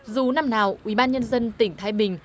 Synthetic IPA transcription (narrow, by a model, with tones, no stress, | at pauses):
zu˨˩na˧mnaː˨˩wwḭ˧˩ɓaː˧nɲə˧nzə˧nt̪ï˧˩ŋ̟t̪ʰaː˨˦jɓï˨˩ŋ̟